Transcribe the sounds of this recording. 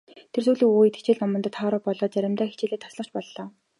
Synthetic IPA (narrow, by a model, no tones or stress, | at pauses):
t̪ʰersuːɮiːŋuːjit̪ʰt͡ɕeːɮnɔmɞ̆t̪ɞ̆t̪χɔːɾɔːpɔɮɔːt͡sæɾʲɪ̆mt̪æːxit͡ɕeːɮeːt̪ʰɔ̥sɮɞ̥̆t͡ɕpɔɮːɔː